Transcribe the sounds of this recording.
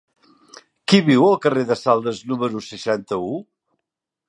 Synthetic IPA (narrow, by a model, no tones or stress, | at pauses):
kiβiwəlˠkəreðəsalˠd̪əznuməɾusəʃant̪əu